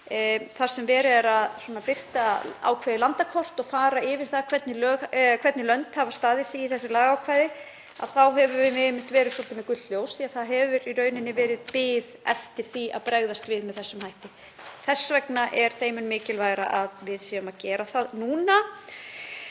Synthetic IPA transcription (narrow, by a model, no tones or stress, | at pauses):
θaɾ̥sɛmvɛːɾɪɛɾaðswɔːnapɪr̥t̪aa̰ːwkʰvajðɪlant̪akʰɔr̥t̪ɔɣfaːɾaɪːvɪɾ̥θakʰvɛt̪nɪlœːɣkʰvɛt̪nɪlœnt̪havḁst̪aːðɪsɪiθɛsːɪlaːɣawkʰvajðɪ | a̰ðθawɦɛvʏɾvɪmɪmɪ̥t̪vɛːɾɪðsɔlt̪ɪmɛkʏt̪t̪ljoːwsθiːaðθaðɦɛvʏɾiɾœːɥnɪnːɪvɛːɾɪðpɪːðɛ̰ft̪ɪɾ̥θia̰ðpɾɛɣðast̪vɪðmɛðθɛsːʏmhajht̪ɪ | θɛsːvɛknaʔɛɾ̥θeːjmʏnmɪːcɪlvaːjɾa̰ʔaðvɪðsiːʏmaðcɛːɾaθaðnuːna